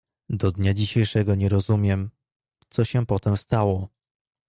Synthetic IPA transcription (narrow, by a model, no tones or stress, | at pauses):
d̪ɔd̪ɲad͡ʑiɕejʂɛɡɔɲɛɾɔzumʲjɛm | t̪sɔɕɛpɔt̪ɛmst̪awɔ